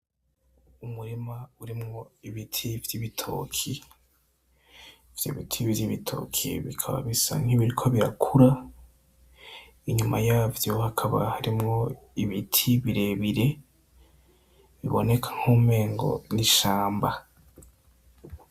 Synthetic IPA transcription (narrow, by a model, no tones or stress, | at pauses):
umuɾimauɾimŋo̞iβitʰivjiβitʰo̰kʰi | vjḭβitʰiβviβitʰo̞̰ːkʰḭβikʰaβa̰βisa̰ŋ̥hiβiɾikʰo̞βiɾa̰kʰuɾa | iɲumajaːvjo̞hakʰaβa̰haɾimŋo̞ | iβitʰiβiɾe̞βiɾe̞ | βiβo̞̰ne̞kʰḁŋ̥huːme̞ːŋɡo̞̰niʃaːmba